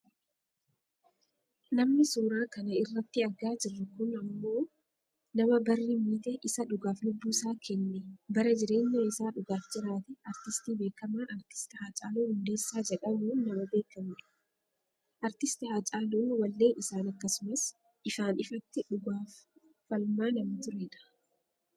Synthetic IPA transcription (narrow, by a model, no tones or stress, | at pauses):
nɐmnɪsuːɾaːkɐnɐɪrːɐt̪ːɪɐɡaːd͡ʒɪrːɐkʊnɐmːo̞ː | nɐmɐbɐrːimiːt̪ɛʔɪsɐᶑʊɡaːflʊbːuːsaːkɛnːɛbɐɾɐd͡ʒɪɾe̞ːɲːɐɪsaːᶑʊɡaːfd͡ʒɪɾaːt̪ɪɐɾt̪ɪst̪iːbe̞ːkːɐmaːʔɐɾt̪ɪ̥st̪ɪhaːt͡ʃʼaːluːhʊnd̪e̞ːsːaːd͡ʒɛᶑɐmuːnːɐmɐbe̞ːkːɐmʊ̥ | ʔɐɾt̪ɪst̪ɪhaːt͡ʃʼaːluːnwɐlːe̞ːnɪsaːnɐkːɐsʊmɐs | ʔɪfaːnɪfɐt̪ːɪᶑʊɡaːfː | ɐlmaːnɐmɐt̪ʊɾeːᶑɐ̥